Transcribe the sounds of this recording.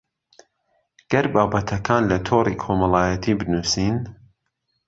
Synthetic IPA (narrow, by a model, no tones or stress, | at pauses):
ɡ̥ɐɾbaːbɐt̪ʰɐkʰaːnlɐt̪ʰoːrikʰomɐlˠɑːjɐt̪ʰiːbɨnuːsiːn